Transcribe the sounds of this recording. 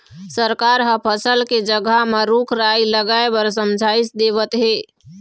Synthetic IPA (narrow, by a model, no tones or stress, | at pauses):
səɾkaɾɦəpʰəsəlked͡ʒəɡameɾukʰɾajləɡaebəɾs̬əmd͡ʒʱaisd̪eβət̪ɦe